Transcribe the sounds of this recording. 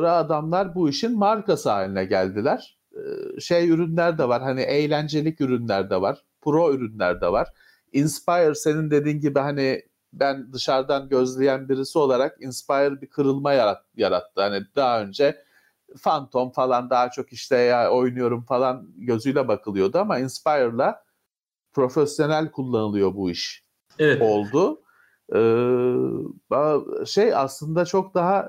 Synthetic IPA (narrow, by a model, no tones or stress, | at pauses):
oɾaːd̪amlˠaɾbuiʃinmaɾkasaːlʲinɛɟælʲd̪ilʲæɾ̥ | ʃejyɾynlʲæɾd̪ɛvaɾɦaniʔejlʲænd͡ʒe̞lʲicyɾynlʲæɾd̪ɛvaɾ̥ | pʰɾo̞yɾynlʲæɾd̪ɛvaɾ̥ | inspajɾse̞nind̪e̞d̪iːnɟibiɦani | bænd̪ɯʃaɾd̪anɟø̞zlʲejænbiɾisio̞lˠaɾakinspajɾbikʰɯɾɯlˠmaja | jaɾat̪ʰːɯhanid̪̥aɦaø̞nd͡ʒɛ | fant̪ʰo̞mfalˠand̪aɦat͡ʃʰo̞kiʃlʲɛao̞jnujo̞ɾumfalˠanɟø̞zyjlʲɛbakʰɯlˠɯjo̞d̪uamainspajɾlˠa | pʰɾo̞fesjo̞nælʲkʰulˠːanɯlˠɯjo̞buiʃ | ɛo̞lˠd̪ʊ | ɯː | baʃeja̰slˠɯnd̪at͡ʃʰo̞kd̪aɦa